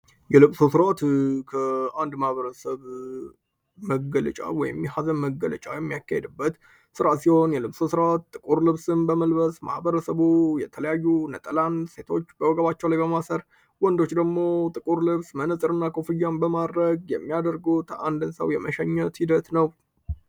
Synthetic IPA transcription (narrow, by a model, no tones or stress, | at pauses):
jɛlɨbsosɨɾat̪kʰəand̪mahβəɾəsəβ | məɡələ̰t͡ʃʼa̰wɔjɪmjɛhazənməɡːələ̰t͡ʃʼa̰jɛmːijakːahed̪ɨbːət̪ | sɨɾasiho̞njɛlɨβsosɨɾat̪ːʼɨkʼuɾlɨβsɨnbəməlbəsma̰hbəɾəsəβujɛt̪ʰələjajːunət̪ʼəlanse̞t̪ʰo̞t͡ʃːbəwɔɡəβat͡ʃːɛwlajbəmasəɾ | wɔnd̪o̞t͡ʃːd̪əɡmo̞t̪ʼɨkʼuɾlɨβsmənəsʼɨɾɨnːakʰofɨjːambəmad̪ɾəɡjɛmːijad̪əɾɡəwt̪ʰəʔa̰nd̪ɨnsə̰wjɛməʃɛɲːət̪hid̪ət̪nəw